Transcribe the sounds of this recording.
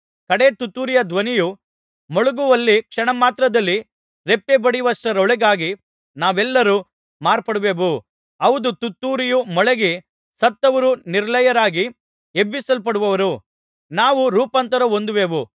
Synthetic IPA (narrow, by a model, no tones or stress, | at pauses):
kɐɽet̪ut̪ːuːɾijɐd̪ʋɐniju | mɔɭuɡuʋɐlːikʂɐɳɐmaːt̪ɾɐd̪ɐlːi | ɾepːebɐɽijʋɐsʈɐɾɔɭɛɡaːɡi | naːʋɛlːɐɾu | maːɾpɐɽuʋeːʋu | ɐʋud̪ut̪ut̪ːuːɾijumɔɭɛɡi | sɐt̪ːɐʋɐɾuniɾlɐjɐɾaːɡi | ebːisɐlpɐɽuʋɐʋɐɾu | naːʋuɾuːpɐnt̪ɐɾɐond̪uʋeːʋu